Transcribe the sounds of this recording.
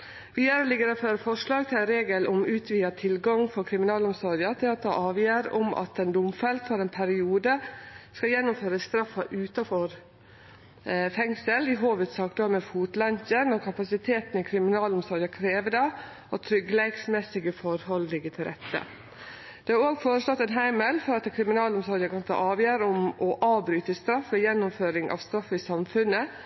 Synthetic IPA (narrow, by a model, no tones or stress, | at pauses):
ʋiːæɾlɪɡːəɾɛføːɾfɔʂlɑːɡt̪ʰɪlænɾeːɡəlʔɔmʉːt̪ʰʋiːɑt̪ʰɪlɡɑŋfɔɾkʰɾɪmɪnɑːlʊmsɔɾjɑt̪ʰɪlɑt̪̚d̪ɑʔɑːʋjæːɾɔ̰mʔɑ̰t̪ɛnd̪ʊmfɛlt̪fɔɾɛnpʰæɾɪuːd̪əskɑjɛnːʊmføːɾəst̪ɾɑfːɑʔʉːt̪ɑfɔɾ | fɛŋsəlɪɦoːʋət̪sɑːk̚d̪ɔmɛfuːt̪lɑntənɔɾkʰɑpɑsɪt̪ʰeːt̪nɪkʰɾɪmɪnɑːlɔmsɔːɾd̪əkʰɾeːʋəd̪ɑ | ɔt̪ʰɾʏɡːəlɛɪɡsmɛsɪɡəfɔɾhɔllɪɡət̪ʰɪlɾɛ̰t̪ːə̰ | d̪̥ɛhɑɾoːɡfoːɾəslɔt̪ːɛnɦæɪməlfɔɾɑt̪kʰɾɪmɪnɑːlɔmsɔɾd̪əkɑnt̪ə̰ʔɑːʋjæːɾɔmʔɔʔɑːbɾyːt̪əst̪ɾɑfːʋɛjɛnːʊmføːɾɪŋʔɑ̰ːʋst̪ɾɑfːəɪsɑmfʉnːə